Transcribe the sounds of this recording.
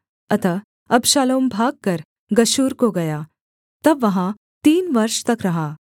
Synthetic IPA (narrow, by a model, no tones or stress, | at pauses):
ɐt̪ʰə | ɐbʃaːloːmbʱaːɡ̚kɐɾ | ɡɐʃuːɾkoɡɐjaː | t̪ɐbːɐɦã | t̪iːnʋɐɾʃt̪ɐkɾɐɦaː